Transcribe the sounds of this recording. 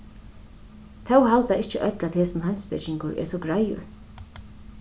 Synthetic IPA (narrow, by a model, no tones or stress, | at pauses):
t̪ʰɛwhalt̪aɪht͡ʃəʔœt̪lat̪heːsɪnhajmspɪ̰t͡ʃɪŋkʊɹʔɛ̰sɔɡɹajʊ̰ɹ